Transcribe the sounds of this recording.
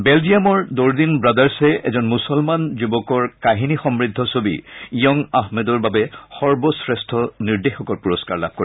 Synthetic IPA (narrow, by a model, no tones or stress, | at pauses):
bɛldijamɔɹdoɹd̪inbɹadaɹsɛɛ̰zɔnmusɔlmanzubɔkɔɹkaɦinixɔmɹid̪ʱːɔsobḭijɔŋaɦmedɔɹbabɛxɔɹbɔsɹestʰɔniɹdexɔkɔɹpuɹɔskaɹla̰b̚koɹi